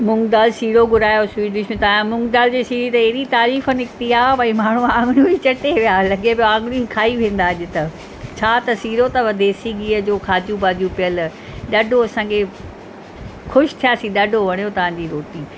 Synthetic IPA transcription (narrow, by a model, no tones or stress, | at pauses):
mʊ̃ŋɡd̪aːlsiːɾoɡʊɾaːjoswiːʈɖɪʃmẽt̪ɐãmʊ̃ŋɡd̪aːld͡ʑeːsiːɾit̪ɐeɦɾit̪aːɾiːfənɪk̚t̪iaːbɐĩmaːɳ̤uaãːŋɡɽũĩt͡ɕɐʈeʋijaːlɐɡepijoãːŋɡɪɽ̃ĩkʰaːiʋẽːn̆d̪aɐʄɪt̪ɐ | t͡ɕʰaːt̪ɐsiːɾot̪ɐʋɐd̪ʱeːsiɡiːəd͡ʑoːkʰaːd͡ʑũbaːd͡ʑũpɪjəl | ɗɐɖʱoɐsãːkʰe | xʊʃt̪ʰijaːsĩɗɐɖʱoʋɐɽ̃ijot̪ɐʋ̤ãːɲd͡ʑiːɾoːʈ̪iː